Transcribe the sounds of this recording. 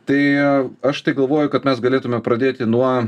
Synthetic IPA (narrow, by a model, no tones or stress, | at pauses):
t̪ɐɪɐʃt̪ɐɪɡɐlˠʋoːjʊkɐt̪mʲɛsɡɐlʲeːt̪ʊmʲɛpɾɐd̪ʲeːt̪ʲɪnuɔ